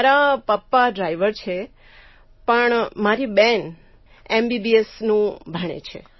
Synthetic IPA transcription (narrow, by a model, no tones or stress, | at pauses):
aɾapəpːaɖɾaiʋəɾt͡ʃʰe | pəɳmaɾiben | embibiesnũbʱəɳ̃ḛt͡ʃʰḛ